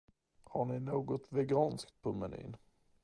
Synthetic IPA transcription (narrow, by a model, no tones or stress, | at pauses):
haɳɪnoːɡɔt̪vɛɡɑːnskt̪̚pʰɔmɛny̰ːn